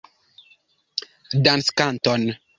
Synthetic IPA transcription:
dãnskan̩tɔn

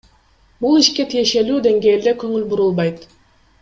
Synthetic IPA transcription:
bulˠiʃke̞t̪ʰije̞ʃe̞lyːd̪e̞ŋɡe̞ːld̪ekɵ̞ŋylbuɾulˠbɑjt̪

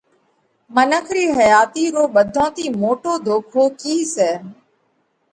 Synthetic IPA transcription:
mənəkʰɾiːɦəjaːt̪iːɾoːɓəd̪ʱõːt̪iːmoːʈoːd̪ʱoːkʰoːkiːsɛː

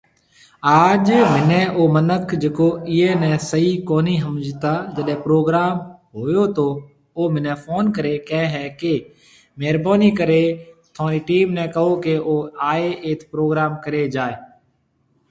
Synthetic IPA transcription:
aːd͡ʒmɪnɛ̃ːʔoːmənəkʰd͡ʒeːkoːɪːɦeːnɛ̃ːsəiːkoːniːɦəmd͡ʒt̪aːd͡ʒəɗɦɛ̃ːpɾoːɡɾaːmɦoːjoːt̪oː | oːmɪnɛ̃ːfʰoːnkəɾeːkɛ̃ːɦɛːkeː | meːɾboːniːkəɾeːt̪ʰʊãːɾiːʈiːmnɛ̃ːkəɦoːkeːʔoːaːeːʔeːt̪ʰpɾoːɡɾaːmkəɾeːd͡ʒaːeː

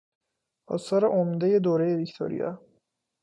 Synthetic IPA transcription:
ʔɒ̰ːsɒːɾeʔomd̪eje̞d̪oːɾe̞jevict̪ʰo̰ɾḭjɒ̰

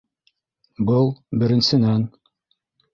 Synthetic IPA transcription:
bɤlˠbɘ̆ɾɘ̆nsɘ̆næn

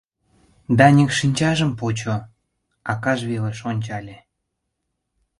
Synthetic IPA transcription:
d̪ɑnʲikʃinʲt͡ɕɑʒə̆mpot͡ɕo | ɑkɑʒβeleʃonʲt͡ɕɑlʲe

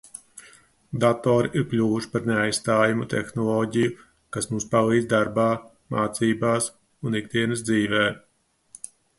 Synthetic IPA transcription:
d̪at̪ɔːɾiʔiɾklʲuːvuʃi̥paɾneajst̪aːjumut̪ɛ̰xnɔlˠɔːɟiju | kasmumspalˠiːd̪zd̪aɾbaː | maːt̪siːbaːs | unik̚d̪iɛnɐsd̪ziːvɛː

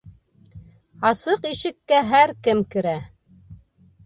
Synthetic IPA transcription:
ɑsɤqiʃɘ̆kːæɦæɾkɘmkɘ̆ɾæ

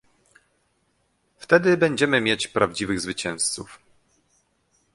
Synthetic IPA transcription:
ft̪ɛd̪ɘbɛɲd͡ʑɛmɘmʲjet͡ɕpɾavd͡ʑivɘɣzvɘt͡ɕɛ̃w̃st̪suf

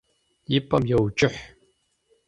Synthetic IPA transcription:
jɪpʼɐmjɛwt͡ʃʼɪħ

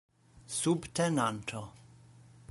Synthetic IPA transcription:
subtʰɛnantʰo

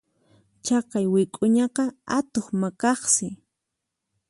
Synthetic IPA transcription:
t͡ʃɑqɑjwɪkʼʊɲɑqɑat̪oχmakɑχsɪ

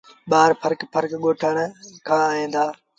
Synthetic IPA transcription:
ɓaːɾpʰəɾkpʰəɾkɠoːʈʰəɽ̃kʰãːaːĩːnd̪aː

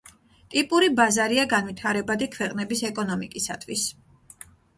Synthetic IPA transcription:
t̪ʼipʼuɾibazaɾiaɡanvit̪ʰaɾɛbad̪ikʰwɛqʼnɛbisɛkʼɔnɔmikʼisa̰t̪ʰwis

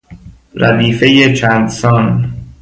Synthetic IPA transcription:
ɾæd̪iːfe̞jet͡ʃʰæːnd̪sɒːn

